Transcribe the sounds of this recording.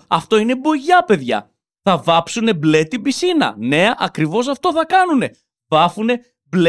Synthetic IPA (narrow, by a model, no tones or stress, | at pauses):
ɐft̪o̞inebo̞ʝɐpe̞ðʝɐ̰ | θɐvɐpsune̞ble̞t̪ibisinɐ̰ne̞ɐʔɐkɾivo̞s̬ɐft̪o̞θɐkɐnune̞ | vɐfune̞ | bl